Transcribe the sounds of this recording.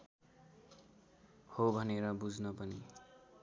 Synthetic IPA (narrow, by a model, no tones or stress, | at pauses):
hobʱʌneɾʌbud͡znʌpʌni